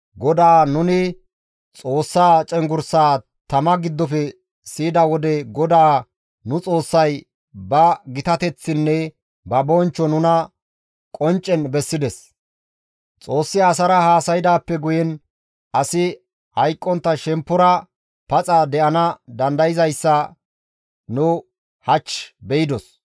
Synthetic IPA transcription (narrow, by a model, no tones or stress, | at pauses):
ɡɔd̪aːnʊnɪ | t͡sʼo̞ːsːaːt͡ʃʼɛŋɡʊɾsaː | t̪ɐmɐɡɪd̪ːɔfɛ | siːd̪ɐwɔd̪ɛɡɔd̪aː | nʊt͡sʼo̞ːsːɐj | bɐɡɪt̪ɐt̪ɛt͡sːɪnːɛ | bɐbɔnt͡ʃːɔnʊnɐ | kʼɔnt͡ʃʼːɛnbɛsːɪd̪ɛs | t͡sʼo̞ːsːɪaːs̬ɐɾɐhaːsɐjɪd̪aːpːɛɡʊjɛn | ʔɐsɪ | hɐjkʼːɔnt̪ːɐʃɛmpːɔɾɐ | pɐt͡sʼɐd̪ɛʔɐnɐd̪ɐnd̪ɐjɪzɐjsːɐ | nʊ | hɐt͡ʃːbɛɪd̪ɔs